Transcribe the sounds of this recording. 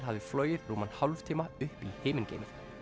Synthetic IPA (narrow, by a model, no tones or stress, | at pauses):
ɦavðɪflœːɥjɪɾruːmanhawlvt̪ʰiːmaʏhpiheːmɪncḛjmɪɾ̥